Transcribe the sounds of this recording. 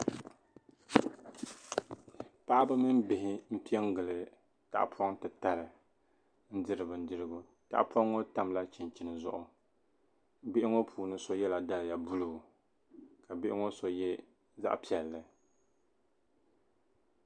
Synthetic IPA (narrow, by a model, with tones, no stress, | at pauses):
pa˦ʔa˦bɨ˦mɨ˦mbɪ˨hɪ˦m̩˦pi˦ɛ˦ŋ˦ɡɨ˨lɨ˨ | ta̰˨ʔpʰɔ˦ŋtɨ˨ta˨ɾɨ˨ | n̩˦dɨ˦ɾɨ˨bɨ˨n̩˦dɨ˦ɾɨ˦ɡʊ˦ | ta̰˨ʔpʰɔ˦ŋːo˦ta˦mla˦t͡ʃɪ˨nt͡ʃi˨nɨ˨zʊ̰˦ʔʊ˨ | bɪ˦ʔɪ˦ŋo˦pʰuː˨nɨ˦so˦jɛ˦la˨da˦lɨ˨ja˨bu˦lu˦˨ | ka˨bɪ˦ʔɪ˦ŋo˦so˨jɛ˦ | za̰˦ʔpi˨ɛ˨lːɨ˨